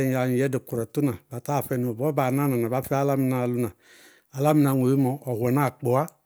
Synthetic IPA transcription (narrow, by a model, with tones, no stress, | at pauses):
a˨ɲi˨jɛ˦de˨ku˨ɾɔ˨tu˦na˨ba˨ta˦˨fɛ˨nu˨bɔ˦ba˨na˦na˨na˨ba˨˦fɛ˦a˦la˦mi˨na˨lu˨˦na˨ | a˨la˦mi˦na˨ŋʷ˨o˨ji˦mɔ˨ɔ˨hʷɛ˨n˦a˦˨k͡po˨a˦